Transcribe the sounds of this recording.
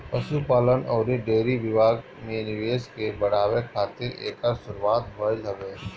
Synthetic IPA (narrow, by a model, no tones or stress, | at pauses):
pɐsupaːlənɔːɾiɖeːɾiʋɪʋaːɡ | mẽnɪʋeːskebɐɽ̤aːwekʰaːt̪ɪɾḛːkəɾsʊɾuwaːt̪ɦːjlɐʋeː